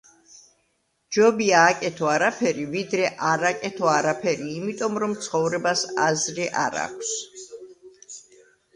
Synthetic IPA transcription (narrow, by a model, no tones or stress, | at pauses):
d͡ʒɔbiaːkʼɛt̪ʰɔaɾapʰɛɾivid̪ɾɛʔaɾakʼɛt̪ʰɔaɾapʰɛɾiːmit̪ʼɔmɾɔmt̪sʰχɔvɾɛbasazɾɛʔaɾa̰kʷʰs